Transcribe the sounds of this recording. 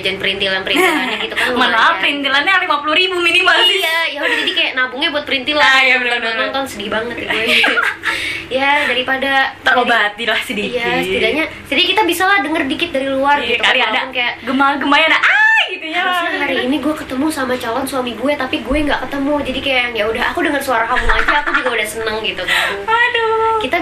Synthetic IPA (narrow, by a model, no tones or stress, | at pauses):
d͡ʒanpəɾint̪ilanpəɾinlanaɡit̪ukamanaaəɾint̪ilanɲaaɾimapuluɾibuminimaljajaudad͡ʒadikajaʔnabʊŋɲabuat̪̚pəɾint̪ilanaanɔnt̪ɔnsədibaŋət̪̚iua | jadaɾipadat̪aobat̪ilahsədikjasət̪idaɲḁ | d͡ʒadiɲkit̪abisalahdəŋərdikɪt̪̚daɾiluarɡit̪ukaliadaɔnkajaʔɡəmaɡəmajanaʔaɡit̪ujasnaɦaɾiːniɡuɛkət̪əmusamat͡ʃalɔnswamiɡuɛt̪apiɡuɛŋɡaʔkət̪əmud͡ʒadikajaŋjaudaɦakudəŋərsuaɾaɦabuŋad͡ʒaːkud͡ʒuɡaudahsənəŋɡit̪ukaadɔkit̪a